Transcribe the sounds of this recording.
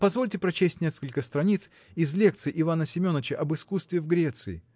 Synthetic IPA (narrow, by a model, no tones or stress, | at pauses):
pɐzvo̞lʲtʲɪpɾɐt͡ɕesʲtʲnʲe̞skəlʲkəst̪ɾɐnʲit̪s | ɪzlʲek̚t̪sɨʔɪvanəsʲɪmʲo̞nːət͡ɕəʔɐbɨskust̪vʲɪvɡɾʲe̞t̪sɨɪ̰